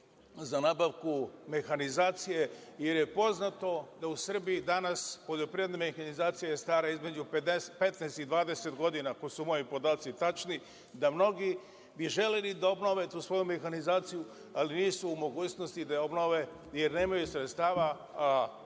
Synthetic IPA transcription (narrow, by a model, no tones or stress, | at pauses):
zanaːbaʋkume̞xanizaːt̪sije̞ | je̞ɾje̞po̞znat̪o̞d̪ausr̩bijid̪anaspo̞ʎo̞pɾied̪namexanizaːt̪sijajest̪aːɾaizme̞d͡ʑuped̪espe̞t̪nɛːst̪id̪ʋaːd̪eset̪ɡo̞d̪inakosumojipo̞d̪aːt̪sit̪at͡ʃni | d̪amno̞ɡi | biʒe̞lelid̪aobno̞ʋe̞t̪uːsʋo̞jume̞xanizaːt̪siju | aliniːsuːmo̞ɡuːt͡ɕno̞st̪id̪aobno̞ʋe̞ | jeɾne̞ːmajusɾet̪st̪aːʋa | a